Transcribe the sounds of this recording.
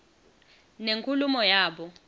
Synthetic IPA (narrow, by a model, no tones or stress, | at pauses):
neŋkʰʼulumɔjaːɓɔ